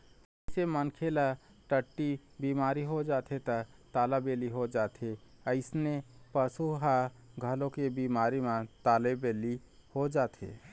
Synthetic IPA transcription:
əɪsemənkʰela | ʈəʈːibiːmaːɾiɦod͡ʒaːt̪ʰet̪ət̪aːlabeliɦod͡ʒaːt̪ʰeəɪsnepəsuɦa | ɡʱəlõkebiːmaːɾimãt̪aːlebeli | hod͡ʒaːt̪ʰḛ

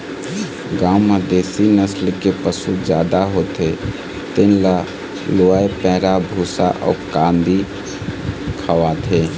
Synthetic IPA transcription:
ɡaːmad̪eːsinəslkepəsud͡ʒjaːd̪aɦoːt̪e | t̪ɪnla | loːaepɛːɾabʱuːsa̰ʔɔ̰ːkãːnd̪i | kʰəʋat̪ʰeː

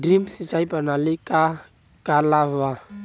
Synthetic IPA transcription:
drimsit͡ʃaipanalikʼa | kʼalava

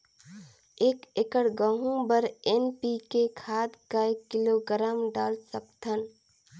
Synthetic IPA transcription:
eːkekəɽɡə̃ɦũbəɾenpikekʰaːd̪kaekːiloɡəɾaːmɖaːlsəkt̪ʰən

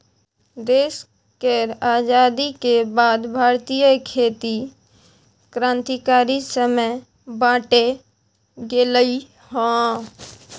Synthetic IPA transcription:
d̪eːs | keɾaːd͡ʒaːd̪ikebaːd̪bʱaːɾt̪ijəkʰeːt̪i | kɾãːnt̪ikaːɾisəməj | bãːʈe | ɡeːləi | hõː

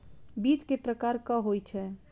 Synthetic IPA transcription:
bit͡ʃkepɾəkaɾkəɦojt͡ʃʰɛ

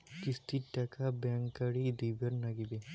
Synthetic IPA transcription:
kɪst̪iʈːkʰabɛ̃ŋkəɽid̪iːbəɾnɐɡibe

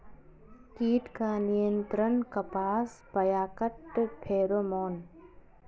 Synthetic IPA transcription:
kiːʈkaːnijənt̪ɾənkɐpaːspɐjaːkəʈːpʰeːɾoːmoːn

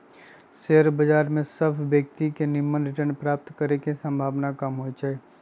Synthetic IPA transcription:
seːəɾbəd͡ʒaːɾmẽsəbʰbjəkt̪ikenɪmːənɾɪʈəɾnpɾaːp̚t̪kəɾekesə̃mbʱaːʋnakɐmɦoid͡ʒaːeː

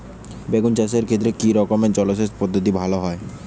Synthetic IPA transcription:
beɡunt͡ɕas̬eɾkʰet̪ːɾekiɾɔkomet͡ɕɔloʃ̬espod̪ʱːot̪̬ibʱaloɦɔe

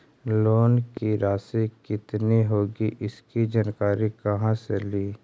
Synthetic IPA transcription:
loːnkiɾaːsikɪt̪niɦoːɡiʔɪskid͡ʒankaːɾikɐɦãseliː

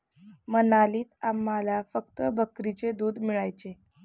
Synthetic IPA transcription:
mənaliːt̪amːalafək̚t̪əbʱəkɾit͡sed̪uːd̪miɭajt͡se

